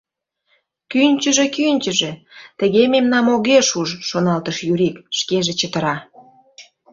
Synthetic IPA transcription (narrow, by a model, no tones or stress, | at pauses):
kynʲt͡ɕəʒekynʲt͡ɕəʒĕt̪ə̆ɣememnɑmoɣeʃuʒʃonɑlt̪əʃjyɾikʃkeʒĕt͡ɕət̪ə̆ɾɑ